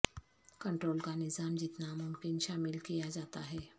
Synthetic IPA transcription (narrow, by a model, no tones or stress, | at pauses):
kəɳʈɾoːlkanɪzamd͡ʑɪt̪namʊmkɪnʃamɪlkijad͡ʒat̪aɦɛ